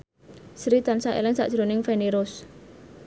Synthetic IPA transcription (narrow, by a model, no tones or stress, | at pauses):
sɾit̪ansaʔḛlɪŋsa̰ʔd̥ʒ̥ɾonɪŋfeneɾʊs